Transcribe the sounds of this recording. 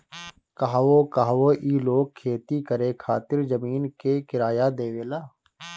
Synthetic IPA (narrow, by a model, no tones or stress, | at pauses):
kaɦʋoːkaɦwoʔiːloːɡ̚kʰːeːt̪ikəɾekʰaːt̪ɪɾd͡ʒəmiːnkekɪɾaːjad̪eːʋeːlaː